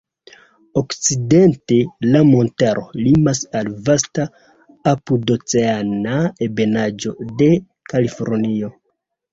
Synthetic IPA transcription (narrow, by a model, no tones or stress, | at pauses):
o̞kt͡side̞nte̞lamo̞ntaɾo̞limasalvasta | apudo̞t͡seanaebe̞nad͡ʒo̞de̞ | kalifo̞̰ɾnio̞